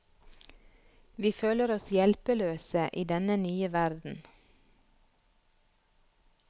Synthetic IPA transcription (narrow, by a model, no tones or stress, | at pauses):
ʋiːføːləɾɔsjɛlpəløːsəʔiːd̪ɛnənyːəʋæɾd̪n̩